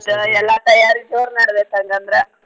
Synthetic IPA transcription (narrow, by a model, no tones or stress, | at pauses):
d̪ɛlːat̪ɐjaːɾiɡd͡ʒoːɾnaːɽbeːkɐŋɡɐnd̪ɾe